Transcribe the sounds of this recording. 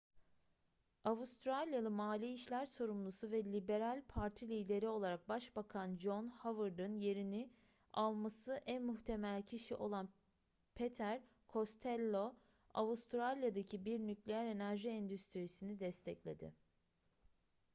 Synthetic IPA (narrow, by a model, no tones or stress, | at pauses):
avust̪ɾalʲjalˠɯmaːlʲiːʃlʲæɾso̞ɾumlˠusuvɛlʲibe̞ɾalʲpʰaɾt̪ʰilʲiːd̪e̞ɾio̞lˠaɾak̚baʃbakʰand͡ʒonhavɯɾd̪ɯnje̞ɾinɪ | alˠmasɯʔænmuçt̪ʰe̞mælʲcʰiʃiʔo̞lˠan | pʰet̪ʰæɾ | kʰo̞st̪ʰɛlʲːo | a̰vust̪ʰɾalʲjad̪acʰibiɾnyclʲejæɾe̞næɾʒiɛnd̪yst̪ʰɾisinid̪ɛst̪ʰɛclʲe̞d̪ɪ̰